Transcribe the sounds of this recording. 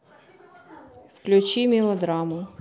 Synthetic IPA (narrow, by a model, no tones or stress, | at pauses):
wklʲʊt͡ʃimʲilˠɔd̪ɾɑmʊ